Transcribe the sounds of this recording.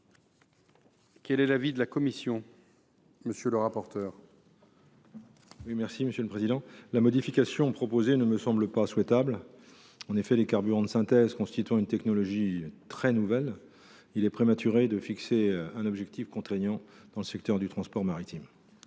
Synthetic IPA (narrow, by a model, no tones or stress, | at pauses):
kɛlɛlavid̪əlakɔmisjɔ̃ | məsjələʁapɔʁt̪œːʁ | wimɛʁsiməsjøləpχezid̪ɑ̃lamɔd̪ifikʲasjɔ̃pχɔpozenəməsɑ̃bləpaswɛt̪abl | ɑ̃nefɛlekaʁbyʁɑ̃d̪əsɛ̃t̪ɛzkɔ̃st̪it̪yɑ̃ynt̪ɛknɔlɔʒit̪χɛnuvɛl | ilɛpχemat̪yʁed̪əfikseɛ̃nɔbʒɛk̚t̪ifkɔ̃t̪χeɲjɑ̃d̪̥ɑ̃ləsɛk̚t̪œʁd̪yt̪χɑ̃spɔʁmaʁit̪ʰim